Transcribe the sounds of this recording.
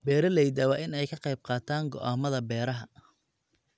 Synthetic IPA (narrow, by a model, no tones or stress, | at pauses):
bɛːɾɐlɛjd̪ɐwaːʔɪnɛjkʰɐqɑjb̚qɑːt̪ʰaːŋɡɔ̰ʔaːmɐðɐbɛːɾɐɦɐ